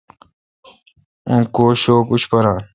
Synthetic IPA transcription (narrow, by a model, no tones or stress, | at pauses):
ũːkoːɕoːkut͡ɕʰpɐɾãː